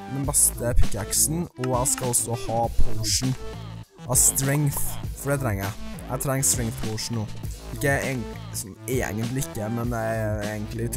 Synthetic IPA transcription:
d̪ɛnbɛst̪əpʰɪkːæksn̩ɔæɪskɑɔsːɔhɑːpʰoʊʂɳ̩ | ʔɑst̪ɾɛŋθfɔɖɛt̪ʰɾɛŋːəɾæ̰æ̰t̪ʰɾɛŋːst̪ɾɛŋθpʰoʊʂɳ̩noːɪkːəeː | sɔneːɛ̰ɡənt̪lɪɪkːəmɛnɛeːɡənt̪lɪ

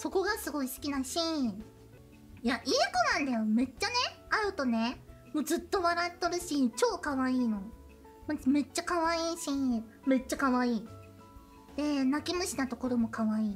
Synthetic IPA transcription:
so̞ko̞ɡasɨɡo̞isɨ̥kʲinaɕĩ | jaʔiːkonãnd̪ajo̞me̞t͡ɕːane̞aɾɯ̟t̪o̞ne̞ | mo̞ːd͡zɨt̪ːo̞βaɾat̪ːoɾɯ̟ɕĩt͡ɕo̞ːkaβaiːno̞ | mame̞t͡ɕːakaβaiːɕĩ | me̞t͡ɕːakaβaiː | d̪̥e̞nakʲimɯ̟ɕinat̪o̞ko̞ɾo̞mo̞kaβaiː

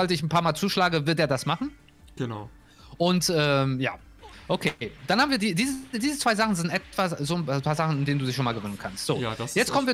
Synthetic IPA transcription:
alsɪçn̩pʰaːɐmaːlt͡suːʃlaːɡəvɪɐtdeːɐdasmaχn̩ | ɡ̥əna | ʔʊntʔɛːmja̰ː | ʔokʰeːd̥anhaːbmviːɐdiːdiːzdiːzət͡sv̥aɪzaχn̩zɪntʔɛtv̥azoːnʰapʰaːɐzaχn̩ɪndeːnduːdɪçʃoːnmaːlɡəvøːnənkʰanstz̥oːjɛt͡stkɔmənviːɐ

